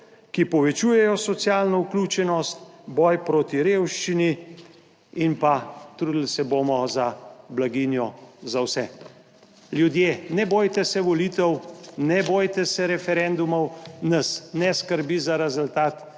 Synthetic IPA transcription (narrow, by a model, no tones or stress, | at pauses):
kipɔʋɛt͡ʃuːjɛjɔsɔt̪sjaːlnɔuklʲuːt͡ʃɛnɔst̪̚bɔjpɾoːt̪iɾeːwʃt͡ʃini | inpat̪ɾud̪lsɛboːmɔzablaɡinjɔzawsɛ | ljud̪jeːnɛboːjt̪ɛsɛʋɔliːt̪ɛwnɛboːjt̪ɛsɛɾɛfɛɾɛnd̪umɔwnɐsnɛskəɾbizaɾɛzʊlt̪aːt̪